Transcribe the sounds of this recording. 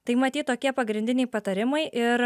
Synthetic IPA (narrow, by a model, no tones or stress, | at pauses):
t̪ɐɪmɐt̪ʲiːt̪̚t̪oːkʲiɛpɐɡɾʲɪnʲd̪ʲɪnʲɛɪpɐt̪ɐɾʲɪmɐɪʔɪɾ